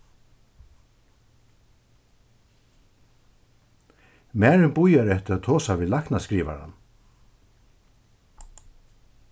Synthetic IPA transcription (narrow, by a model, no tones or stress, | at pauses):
mæːɹɪnbʊjaɾɛht̪ɪɾat̪ʰoːsaviːlahknaskɾiːʋa̰ɾa̰n